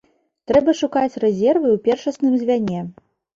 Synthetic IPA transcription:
t̪ɾɛbɐʂukat͡sʲrɛzʲɛrvɨwpʲɛrʂɐsnɨmzʲvʲanʲɛ

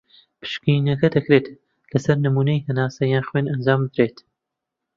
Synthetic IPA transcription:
pʰɨ̥ʃkiːnɐkɐd̪ɐkɾeːt̪ | lɐsɐɾnɨmuːnɐjhɐnaːsɐjaːnxweːnɐnd͡ʒaːmbɨd̪ɾeːt̪

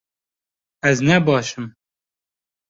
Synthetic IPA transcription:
ɛznɛbɑːʃɨm

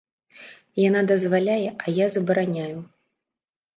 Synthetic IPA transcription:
jan̪ad̪ɐzvalʲajɛʔɐjazɐbɐɾanʲaju

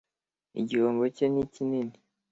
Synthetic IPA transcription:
ḭɟihoːmbocenicinini

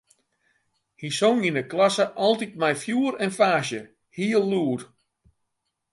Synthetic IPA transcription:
hisoŋinəklasəʔɔlˠtit̚mɛjfjuːəɾɛnfaːʃjə | hiːəlˠːuər

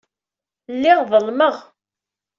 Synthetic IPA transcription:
lːɪʁðəlməʁ

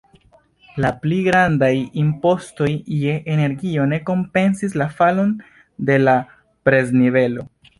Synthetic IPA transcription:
lapliɡɾandajimpo̞sto̞jjeʔene̞ɾɡio̞ne̞ko̞mpe̞nsislafalo̞n | de̞la | pɾe̞znive̞lo̞

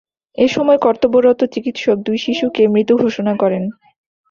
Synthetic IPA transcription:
eʃɔmɔekɔɾt̪oboɾot̪ot͡ɕikit̪ʃok̚d̪ujʃiʃukemɾit̪ːuɡʱoʃonakɔɾen

